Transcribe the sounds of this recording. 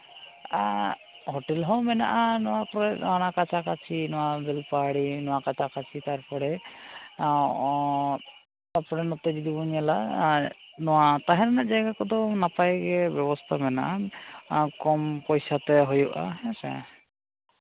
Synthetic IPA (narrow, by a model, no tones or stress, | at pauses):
hɔʈɛlɦɔwmɛna̰ʔanɔwakɔɹɛanakat͡ʃakat͡ʃʰinɔwabɛlpaɽinɔwakat͡ʃakat͡ʃʰit̪aɹpɔɹɛ | t̪apɔɹɛnɔt̪edid̪ibɔnijala | nɔwat̪aɦɛɾanad͡ʒajɡakɔd̪ɔnapajɡɛbjɔbɔst̪ʰamɛnaʔa | kɔmpɔjsatɛɦojuʔa̰ɦɛsɛ̰